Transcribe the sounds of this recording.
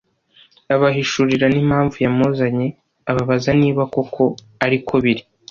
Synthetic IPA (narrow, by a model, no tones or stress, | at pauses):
aβaɦiʃuɾiɾanim̥haːɱvujamozaɲe | aβaβazaniːβako̞kʰo̞ | aɾikʰoβiɾi